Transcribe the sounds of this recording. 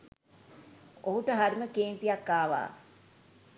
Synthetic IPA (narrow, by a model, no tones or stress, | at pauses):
oɦuʈəɦaɾməkeːnt̪ijakːaːʋa̰ː